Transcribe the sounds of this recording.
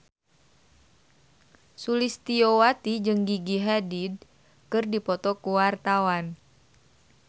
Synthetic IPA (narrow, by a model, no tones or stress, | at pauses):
sulist̪iowat̪id͡ʒɨŋɡiɡiɦadid̚ | kɨrdipɔt̪ɔkuwart̪awan